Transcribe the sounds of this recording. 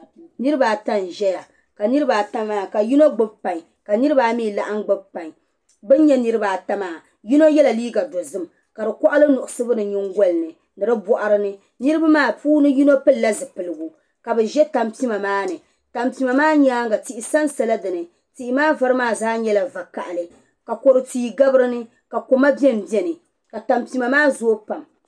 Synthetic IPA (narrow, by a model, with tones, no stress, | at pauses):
nɨ˦ɾɨ˦baː˨ta˦nʒɛ˦ja˨ | ka˨nɨ˦ɾɨ˦ba˨ta˦maː˦˨ka˨ji˦no˦ɡ͡bɨ˦bpa˨ɲ˨ | ka˨nɨ˦ɾɨ˦baː˨˦miː˦˨la˨ʔa˦ŋ˦ɡ͡bɨ˦bpa˨ŋ˨ | bɨ˦n˦ɲɛ˦nɨ˦ɾɨ˦baː˨ta˦maː˨ | ji˦no˦jɛ˦la˨liː˦ɡa˨do˨zɨ˦m | ka˨dɨ˨kɔ˦ʔa˦lɨ˦nʊ˨ʔʊ˨sɨ˦bɨ˦nɨ˨ɲi˦ŋɡo˦lnɨ˨ | nɨ˨ɾɨ˦bɔ˦ʔa˦ɾɨ˦nɨ˦ | nɨ˦ɾɨ˦ba˦maː˦˨puː˦nɨ˦ji˦no˦pɨ˦llːa˦zɨ˨pɨ˨lɨ˨ɡu˨ | ka˨bɨ˨ʒɛ˦ta˨mpi˦ma˨maː˦nɨ˨ | ta˨mpi˨ma˨maː˦ɲaː˦ŋɡa˨ti˦ʔɪ˨sa˦nsa˦la˦dɨ˨nɨ˨ | ti˦ʔɪ˦maː˦va˦ɾɨ˦maː˦˨zaː˦ɲɛ˦la˨va˨ka˨ʔa˨lɨ˨ | ka˨ko˨ɾɨ˨tiː˦˨ɡa˦bɨ˦ɾɨ˦nɨ˦ | ka˨ko˨ma˦bi˦ɛ˦m˨bi˦ɛ˦nɨ˨ | ka˨ta˨mpi˨˦ma˨maː˦zo˦pa˨m